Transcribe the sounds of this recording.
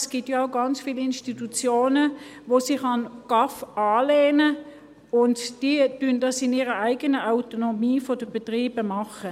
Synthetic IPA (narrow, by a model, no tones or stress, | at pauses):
sɡ̥itjaaʊɡɑnt͡sfiːlɪnʃtitut͡sjoːnəʋoːsiχɑnɡ̥ɑfɑːleːnə | ʊntd̥iːd̥yndɑsɪniːʁəaɪɡənəʔaʊtonomiːfɔd̥əb̥etʁiːb̥əmɑχə